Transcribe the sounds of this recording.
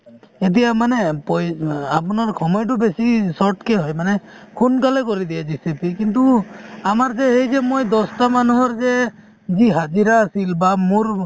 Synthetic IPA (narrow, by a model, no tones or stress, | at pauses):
et̪̬ijamanepɔjapunaɾkʰɔmɔjʈ̬ubesisɔʈkeɦɔjmanɛ | kʰunkalɛkɔɾid̪ijad͡ʒisipikint̪uamaɾd͡ʒɛhejd͡ʒemojd̪ɔst̪amanuɦɔɾd͡ʒe | d͡ʒiɦad͡ʒiɾaːsilbamuɾ